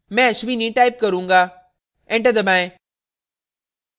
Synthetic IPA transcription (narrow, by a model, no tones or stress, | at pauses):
mɛ̃ɐʃʋinĩʈaːɪp̚kɐɾũːŋɡaː | ẽɳʈəd̪ɐmãẽ